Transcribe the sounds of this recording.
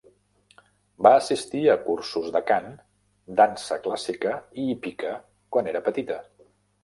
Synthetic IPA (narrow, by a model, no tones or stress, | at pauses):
baːsist̪iəkursuzd̪əkan | d̪ansəklasikəiipikə | kwaneɾəpət̪it̪ə